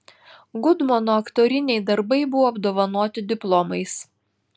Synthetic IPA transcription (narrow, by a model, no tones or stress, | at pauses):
ɡʊd̪mɔnoːɐkt̪oːɾʲɪnʲɛɪd̪ɐɾbɐɪbʊʋoːɐbd̪oːʋɐnuɔt̪ʲɪd̪ʲɪplˠɔmɐɪs